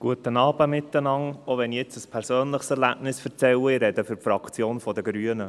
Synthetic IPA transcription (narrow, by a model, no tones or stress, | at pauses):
ɡ̥uətənɑːb̥əmɪt̪ːənɑŋoʋɛnijɪt͡səspʰɛɾsøːnləχsɛɾlæb̥nɪsfɛɾt͡sɛwəɪɾɛd̪əfʏɾpfɾɑkt͡sjoːnfɔd̪əɡɾyːənə